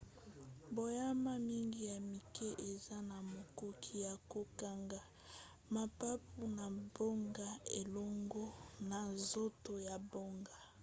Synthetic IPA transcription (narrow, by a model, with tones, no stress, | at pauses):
bo˨ja˦ma˦mi˦ŋɡi˦ja˨mi˨kɛ˦ʔe˨za˦na˨mo˨ko˦kʰi˦ja˨ko˦ka˦ŋɡa˦ | ma˨pa˦pu˦na˨bo˦ŋɡa˦e˨lɔ˦ŋɡɔ˦na˨zo˦to˨ja˨bo˦ŋɡa˨